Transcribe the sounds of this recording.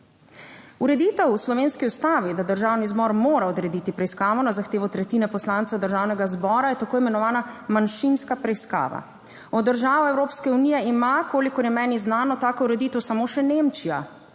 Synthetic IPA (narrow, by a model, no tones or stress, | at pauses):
uɾɛd̪iːt̪ɛwslɔʋeːnskiust̪aːʋid̪ad̪əɾʒaːwnizbɔɾmoːɾaɔd̪ɾɛd̪it̪ipɾɛiskaːʋɔnazaxt̪eːʋɔt̪ɾɛt̪iːnɛpɔslaːnt̪sɛwd̪əɾʒaːwnɛɡazbɔːɾajɛt̪akoːimɛnɔʋaːnamanʃinskapɾɛjska̰ːʋa̰ | ɔd̪ːəɾʒaːʋɔɛwɾoːpskɛunijɛimakoːlikɔɾjɛmɛːniznaːnɔt̪aːkɔuɾɛd̪iːt̪ɛwsamoːʃɛnemt͡ʃija̰